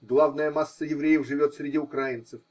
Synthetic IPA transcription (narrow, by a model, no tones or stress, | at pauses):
ɡlˠavnəjəmasːəjɪvɾʲejəfʐɨvʲo̞t̪sʲɾʲɪdʲiʊkɾajɪnt̪səf